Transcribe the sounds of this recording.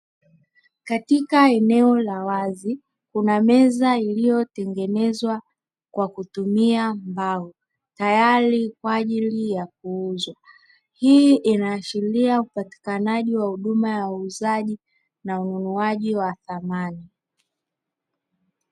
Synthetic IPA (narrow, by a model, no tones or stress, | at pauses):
katikaɛnɛɔlawazi | kunamɛzailijɔtɛŋɡɛnɛzwa | kwakutumiambau | tajaɾikwaaːʄilijak̚uuzwa | hiʔinaːʃiliaupati̥kanaʄiwahuɗumajauːzaʄi | naununuaʄiwaθamani